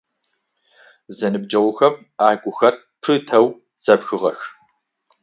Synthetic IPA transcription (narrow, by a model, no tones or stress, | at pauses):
zɐnɨb̚d͡ʒʼɐwʷʊxɐm | aːɡʷʊxɐr | pʰɨtʰɐw | z̥ɐpxɨʁɐx